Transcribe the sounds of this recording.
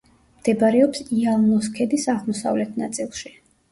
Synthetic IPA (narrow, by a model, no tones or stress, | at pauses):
md̪̥ɛbaɾɛɔpsialˠnɔs̬kʰɛd̪isaʁmɔsa̰vlɛt̪ʰnat̪sʼilˠʃi